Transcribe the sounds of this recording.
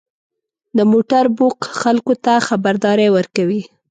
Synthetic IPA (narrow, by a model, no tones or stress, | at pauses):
d̪əmoʈaɾboqxalkot̪axabaɾd̪ɑɾewəɾkawi